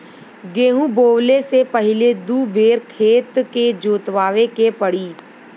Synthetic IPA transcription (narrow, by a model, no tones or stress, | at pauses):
ɡeːɦũboːwlesepɐɦɪled̪uːbʱeːɾkʰeːt̪ked͡ʒoːt̪ʋaːʋekepɐɽiː